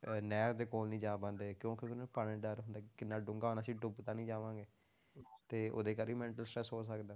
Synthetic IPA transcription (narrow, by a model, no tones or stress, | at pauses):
nɛːɾd̪eːkoːlnĩːd͡ʒaːbãːnd̪eːkjõːkɪkɪnõpanẽːɖɛːɾɦʊnd̪aːkɪnːaːɖʊ̃ŋɡaːnaːsiːɖʊbt̪aːnĩːd͡ʒaːʋãːɡeː | t̪eːo̰ːd̪eːkəɾiːmɛ̃ːɳʈəlsʈɾɛːsɦoːsəkd̪aː